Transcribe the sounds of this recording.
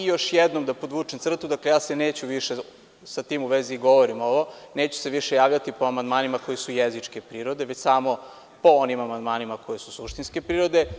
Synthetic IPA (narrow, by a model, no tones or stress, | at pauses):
ijo̞ʃjed̪nomd̪apod̪ʋuːt͡ʂemt̪sr̩t̪ud̪aklejaːseneːt͡ɕuʋiʃe | sat̪iːmuʋeziːɡo̞ʋoɾimo̞ʋo̞neːt͡ɕu̥seʋiʃejaːʋʎat̪ipoamand̪maːnimako̞jisujezit͡ʂke̞pɾiːɾo̞d̪eʋet͡ɕsaːmo̞ | po̞onimamand̪maːnimako̞jesusuʃt̪inskepɾiːɾo̞d̪e